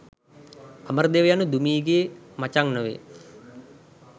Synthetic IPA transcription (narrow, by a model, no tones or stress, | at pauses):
aməɾd̪eʋəjanud̪umiːɡeːmat͡ʃaŋnəʋḛ